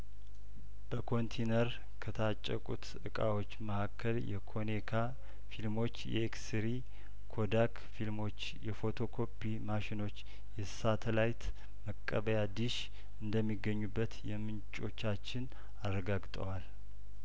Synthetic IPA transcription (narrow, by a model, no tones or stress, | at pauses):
b̥əkʰo̞nt̪ʰenəɾ | kʰət̪ʰat͡ʃʼːəkʼṵt̪ | ɨkʼa̰wo̞t͡ʃːməhakʰːəljɛ̰kʰo̞nekʰa | filmo̞t͡ʃːjɛ̰eksɾi | kʰo̞d̪ak | filmo̞t͡ʃːjɛfo̞t̪ʰo̞kʰo̞pʰːimaʃɪno̞t͡ʃː | jɛsat̪ʰəlajt̪ | məkʼːəβəjad̪ɨʃ | ɨnd̪əmːiɡːəɲːubːət̪jɛmɨnt͡ʃʼo̞t͡ʃːat͡ʃːɪn | arːəɡaɡt̪ʼəwal